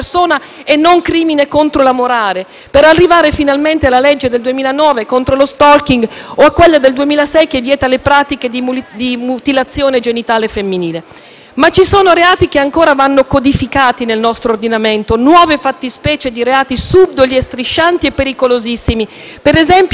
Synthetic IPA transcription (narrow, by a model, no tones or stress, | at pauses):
rsoːna | enːoŋkɾiːminekont̪ɾolamoɾaːɾe | peɾarːivaːɾefinalment̪ealːaled͡ʒːed̪eld̪uemiːlanɔːvekont̪ɾolost̪ɔlk̟iŋɡoakːwelːad̪eld̪uemiːlasɛjkevːjɛːt̪alepɾaːt̪iked̪id̪imut̪ilat̪sːjoːned͡ʒenit̪aːlefemːiniːle | mat͡ʃːisoːnoɾeaːt̪ik̟eaŋkoːɾavanːokod̪ifikaːt̪inelnɔst̪ɾoːrd̪inament̪onwɔːvefat̪ːispɛːt͡ʃed̪iɾeaːt̪isub̚d̪oliest̪ɾiʃːant̪iepːeɾikolozisːimi | peɾezɛmp